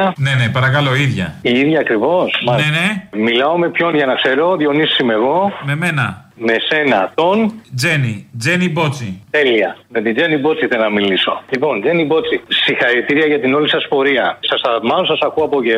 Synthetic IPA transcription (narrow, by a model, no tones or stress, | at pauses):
ɐnenepɐɾɐkɐloiðʝɐ̰iiðʝɐːkɾivo̞smɐenemilɐo̞me̞pço̞nʝɐnɐkse̞ɾo̞ðijo̞nisːime̞ɣo̞meme̞nɐ̰me̞se̞nɐt̪o̞nd͡ze̞nid͡zenibo̞t͡sit̪e̞liɐme̞t̪ind͡zenibo̞t͡siθelnɐmiliso̞̰lipo̞nd͡ze̞nibo̞t͡sisixɐɾit̪iɾiɐʝɐt̪ino̞lisɐspo̞ɾiɐsɐsɐmɐnosɐsɐkuɐpoce